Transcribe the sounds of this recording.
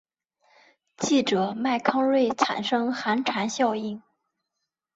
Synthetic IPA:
t͡ɕi˥˩ʈ͡ʂɤ˨˩ma˥˩ɪkʰɑ˥ŋlwe˥˩ɪʈ͡ʂʰa̰˨˩nʂɤ˥ŋxa˧˥nʈ͡ʂʰa˧˥nɕjɑ˥˧ʊi˥˩n

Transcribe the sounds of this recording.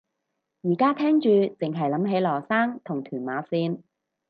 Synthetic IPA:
jiː˨˩kaː˥t̪ʰɛː˥ŋt͡ʃyː˧t͡sɪ˨ŋɦɐ˨jlɐ˨˥mɦe˨˥jlɔː˨˩saː˥ŋt̪ʰʊ˨˩ŋt̪ʰyː˨˩nmaː˨˥siː˥n

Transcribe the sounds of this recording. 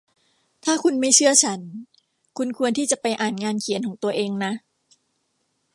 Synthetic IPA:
t̪ʰaː˥˩kʰu˧nma˥˩jt͡ɕʰɯ˥˩ɐt͡ɕʰa˦˥n | kʰu˧nkʰu˧ənt̪ʰiː˥˩t͡ɕa˨˩pa˧jʔaː˨˩nŋaː˧nkʰi˨˩˦nkʰɔː˩˦ŋt̪u˧ɐʔeː˧ŋna˦˥ʔ

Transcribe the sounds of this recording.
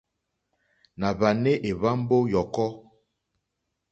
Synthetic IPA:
na˨βa˨ne˦ʔe˨βa˦m˦bo˦jɔ˨kɔ˦

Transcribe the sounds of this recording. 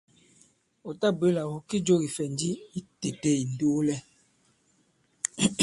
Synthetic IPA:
o˨ta˦be˦la˨wo˨ki˦d͡ʒo˦˨ɣi˨fɛ˨n˦di˦i˦te˨te˦˨i˨n˨do˦lɛ˦

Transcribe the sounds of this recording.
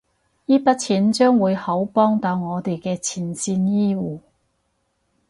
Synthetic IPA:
jiː˥pɐ˥t̚t͡sʰiː˨˥nt͡ʃœː˥ŋwuː˨˧jhɐ˨˥wpɔː˥ŋt̪ɐ˨˧wŋɔː˨˧t̪e˨jkɛː˧t͡sʰiː˨˩nsiː˧njiː˥wuː˨˩

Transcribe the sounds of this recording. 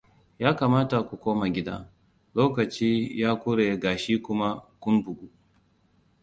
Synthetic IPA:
jaː˦kaː˨maː˦ta˨kʷu˨kʷoː˦ma˨ɡʲɪ˦da̰˦ | loː˦kɐ˨t͡ʃiː˦jaː˦kʷʊ˦ɽeː˨ɡaː˨ʃiː˦kʷʊ˦ma˦kʷʊ˦nbʊ˨ɡu˦

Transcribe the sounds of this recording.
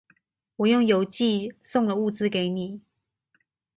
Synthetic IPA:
wɔ˨˩jʊ˥˩ŋjo˨˥ʊt͡ɕi˥˧sʊ˥˨ŋlə˨u˥˧t͡sɹ̩˥ke˧˦ɪni˨˩˦

